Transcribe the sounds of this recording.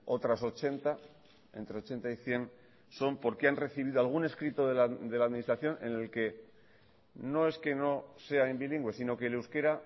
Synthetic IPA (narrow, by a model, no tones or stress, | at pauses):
o̞t̪ɾaso̞t͡ʃe̞nt̪a | e̞nt̪ɾe̞o̞t͡ʃe̞nt̪aiθje̞n | so̞mpo̞ɾkeanre̞θiβ̞iðoalɣ̞une̞skɾit̪oðelad̪e̞laðminist̪ɾaθjo̞nʔe̞̰ne̞lke̞ | no̞e̞ske̞no̞se̞aembiliŋɡwe̞sino̞keleuwske̞ɾa